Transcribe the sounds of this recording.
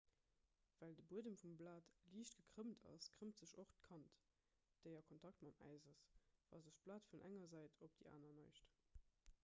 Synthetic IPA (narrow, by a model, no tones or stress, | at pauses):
væːldəbuədəmfumblaːtliːʃt̚ɡ̥əkʁ̥əmtʰɑ̰skʁəmtz̥əʃoχtkʰɑnt | d̥əɪɐkʰontʰɑk̚tmɑmæ̰ɪzɐsvɑ̰ːlzəʃb̥laːtfunʔæ̰ŋɐzæɪtʰop̚d̥iʔa̰ːnɐnɑɪʃt